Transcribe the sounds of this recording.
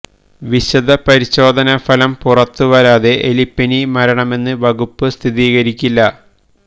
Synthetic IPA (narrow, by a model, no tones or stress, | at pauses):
ʋiɕɐd̪ʱɐpɐɾiɕo̞ːd̪ʱɐnɐfɐlɐmpurɐt̪ːuʋɐɾaːðe̞ʔelipːɐnimɐɾɐɳɐme̞nːɨʋɐɡupːɨst̪ʰiðiːɣɐɾikʲːilːɐ